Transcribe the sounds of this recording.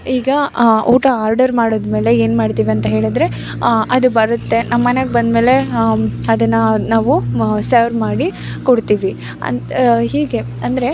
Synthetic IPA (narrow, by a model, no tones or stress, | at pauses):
iːɡɐuːʈɐaːɾɖɐɾmaːɽoːd̪me̞ːle̞eːnmaːɖt̪iːʋiɐnt̪ɐɦe̞ːɭid̪ɾe̞ | ʔɐd̪ubɐɾut̪ːe̞nɐmːɐneɡebɐnd̪meːleɐd̪ɐnːɐnaːʋusɐɾmaːɽi | kɔɽt̪iːʋi | ɐ̰ɦiːɡe̞ | ɐnd̪ɐɾe̞